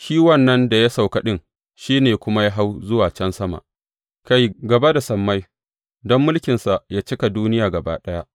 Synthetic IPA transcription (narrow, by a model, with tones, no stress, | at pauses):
ʃiː˦wɐ˦˨nːɐ˦nda˨ja˦sa˨wkɐ˦ɗɪ˦ŋ | ʃiː˦neː˨kʷʊ˦ma˦ja˦ɦa˦wzʊ˦waː˨t͡ʃɐ˦nsɐ˦ma̰˨ʔ | ka˦˨jɡɐ˨ba˦da˨sɐ˨mːa˦j | dɔ˦mːʊ˦lkʲɪ˨nsa˨ʔjaː˦t͡ʃɪ˦ka˨duː˦nɪ˦jaː˨ɡɐ˨ba̰ː˦ɗɐ˦ja˦